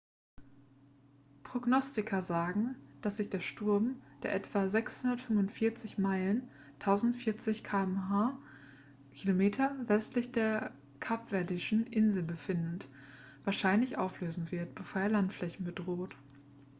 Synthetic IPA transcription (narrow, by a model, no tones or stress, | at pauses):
pʁ̥oɡnɔstɪkʰɐzaːɡŋ̩d̥asz̥ɪçd̥eːɐʃtʊɐmd̥eːɐʔɛtv̥azɛkshʊndɐtfʏnvʊntfɪɐt͡sɪçmaɪlən | tʰaʊzn̩tfɪɐt͡sɪçkʰaːɛmɦaː | kʰilomeːtʰɐvɛstlɪçd̥eːɐ | kʰapv̥ɛɐdɪʃn̩ʔɪnzl̩bəfɪndət | vaːɐʃaɪnlɪçʔaʊfløːzn̩vɪɐtb̥əfoːɐeːɐlantflɛçn̩bədʁoːt